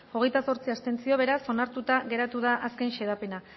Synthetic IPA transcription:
o̞ɣe̞jt̪aso̞ɾt͡siast̪e̞nt͡sio̞β̞e̞ɾaso̞naɾt̪ut̪aɣe̞ɾat̪uðaʔaske̞nʃe̞ð̞ape̞na

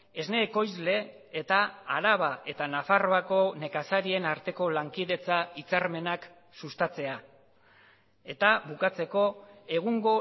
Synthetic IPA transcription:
e̞zne̞ːko̞jzle̞ː | t̪aaɾaβ̞aʔe̞t̪anafaro̞ako̞ne̞kasaɾie̞naɾt̪e̞ko̞laŋkiðe̞t͡sait͡saɾme̞nak | sust̪at͡se̞a | e̞t̪aβukat͡se̞ko̞e̞ɣ̞uŋɡo̞

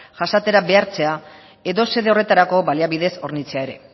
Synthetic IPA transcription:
ʝasat̪e̞ɾabe̞aɾt͡se̞a | e̞ðo̞se̞ðe̞ore̞t̪aɾako̞βaliaβiðe̞so̞̰ɾnit͡se̞ae̞ɾe̞̰

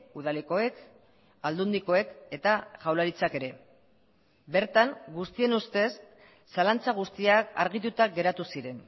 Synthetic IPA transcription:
uð̞aleko̞e̞k | ald̪und̪iko̞e̞ke̞t̪aʝawlaɾit͡sake̞ɾe̞ | be̞ɾt̪aŋɡust̪ie̞nust̪e̞sː | alant͡saɣ̞ust̪iaka̰ɾɣ̞it̪ut̪aɡe̞ɾat̪usiɾe̞n

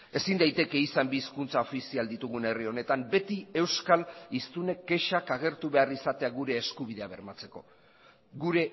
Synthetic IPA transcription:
e̞sind̪ajt̪e̞ke̞isambiːskunt͡sao̞fisiald̪it̪uɣ̞une̞rio̞ne̞t̪ambe̞t̪ie̞wskalist̪une̞k̚ɡe̞ʃakaɣ̞e̞ɾt̪uβe̞arisat̪e̞aɣuɾe̞ːskuβ̞iðe̞aβe̞ɾmat͡se̞ko̞ | ɣuɾe̞

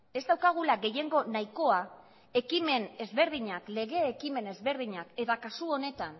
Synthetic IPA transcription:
e̞zd̪awkaɣ̞ulaɣe̞je̞ŋɡo̞naiko̞a | e̞kime̞ne̞zβe̞ɾð̞iɲakle̞ɣe̞ːkime̞ne̞zβe̞ɾðiɲake̞t̪akasuo̞ne̞t̪an

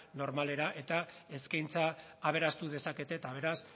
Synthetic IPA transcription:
no̞ɾmale̞ɾaʔe̞t̪ae̞skajnt͡saːβ̞e̞ɾast̪uð̞e̞sake̞t̪e̞t̪aβ̞e̞ɾas

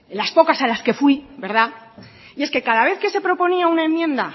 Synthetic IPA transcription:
laspo̞kasalaske̞fwibe̞ɾð̞a | ie̞ske̞kaðaβ̞e̞θke̞se̞pɾo̞po̞niaunae̞mjẽ̞nd̪a

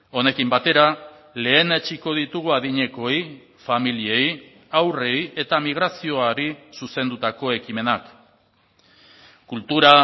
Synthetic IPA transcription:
o̞ne̞kimbat̪e̞ɾa | le̞ːne̞t͡ʃiko̞ð̞it̪uɣ̞uaðiɲe̞ko̞j | familie̞j | awre̞je̞t̪amiɣ̞ɾasio̞aɾisuse̞nd̪ut̪ako̞e̞kime̞nak | kult̪uɾa

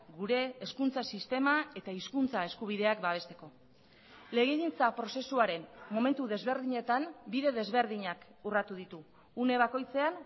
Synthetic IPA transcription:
ɡuɾe̞ːskunt͡sasist̪e̞mae̞t̪aiskunt͡sae̞skuβ̞iðe̞akbaβ̞e̞st̪e̞ko̞ | le̞ɣeɣint͡sapɾo̞se̞suaɾe̞nmo̞me̞nt̪uðe̞zβe̞ɾðiɲe̞t̪ambiðe̞ðe̞zβe̞ɾðiɲak | urat̪uðit̪uː | ne̞β̞ako̞jt͡se̞an

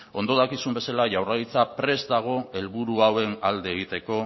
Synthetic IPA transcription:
o̞nd̪o̞ðakisumbe̞salaʝawraðit͡sapɾe̞zd̪aɣ̞o̞e̞lβuɾuawe̞nald̪e̞ːɣ̞it̪e̞ko̞

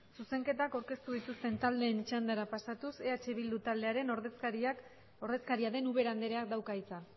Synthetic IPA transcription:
suse̞ŋke̞t̪akawɾke̞st̪uðit̪ust̪e̞nt̪ald̪e̞ːnt͡ʃand̪aɾapasat̪use̞at͡ʃe̞βild̪ut̪ald̪e̞aɾe̞noɾðsɾia | oɾðe̞skaɾiaðe̞nuβe̞ɾand̪eɾeak̚d̪awkait͡sa

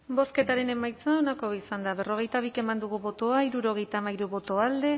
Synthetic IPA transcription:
bo̞ske̞t̪aɾe̞ne̞majt͡saonako̞βiisand̪aβe̞ro̞ɣ̞e̞jt̪aβ̞ike̞mand̪uɣ̞uβo̞t̪o̞aiɾuɾo̞ɣ̞e̞jt̪amajɾuβo̞t̪o̞ald̪e̞

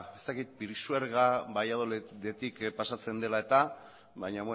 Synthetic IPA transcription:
e̞st̪akit̪̚piɾisueɾɣabajað̞old̪e̞t̪ikpasat͡se̞nd̪e̞lae̞t̪a | βaɲaβ

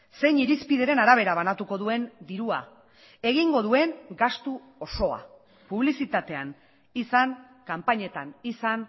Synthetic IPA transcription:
se̞jɲiɾispiðe̞ɾe̞naɾaβ̞e̞ɾaβ̞anat̪uko̞ðue̞nd̪iɾua | e̞ɣiŋɡo̞ð̞ue̞ŋɡast̪u | oso̞a̰ | puβ̞lisit̪at̪e̞an | isaŋ | kampaɲe̞t̪anisan

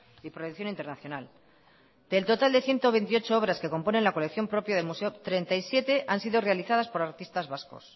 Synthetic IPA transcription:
ipɾojukθjo̞nint̪enaθjo̞nal | d̪̥e̞ːlt̪ot̪ald̪e̞θje̞nt̪o̞β̞e̞nt̪io̞t͡ʃo̞o̞βɾaske̞ko̞mpo̞ne̞nlako̞lekθjo̞mpɾo̞pjaðelmuse̞ot̪ɾe̞nt̪aisje̞t̪e̞ʔansiðo̞re̞aliθað̞aspo̞ɾaɾt̪ist̪azβasko̞̰s

